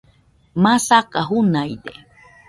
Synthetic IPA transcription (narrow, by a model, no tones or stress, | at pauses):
masakaɦunajd̪e